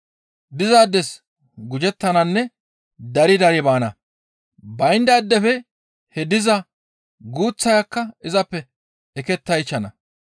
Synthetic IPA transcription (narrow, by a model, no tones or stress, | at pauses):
d̪ɪzaːd̪ːɛs | ɡʊd͡ʒɛt̪ːɐnɐnːɛ | d̪ɐɾɪd̪ɐɾɪbaːnɐ̰ | bɐjnd̪ɐːd̪ːɛfɛ | hɛd̪ɪzɐ | ɡuːt͡sːɐjɐkːɐɪzɐpːɛ | ɛkɛt̪ːɐjt͡ʃːɐnɐ